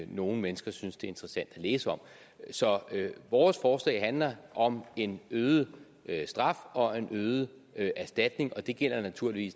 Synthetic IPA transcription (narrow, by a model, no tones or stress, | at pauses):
no̝ːn̩menəsɡ̥ɐsynsd̥e̝æɐe̝nd̥ʁəsæn̰d̥æleːsəɒ̽m̰ | sɒ̽ʋɒːsfɒːslɛ̰ːɪɦænlɐʔɒ̽me̝nøːð̩ˠə | sd̥ʁɑ̈fɒ̽e̝nʔøːð̩ˠə | ʔæɐsd̥æd̥ne̝ŋʔɒ̽d̥e̝ɡ̥el̰ɐnæt͡sʰuɐ̰liʋḭːs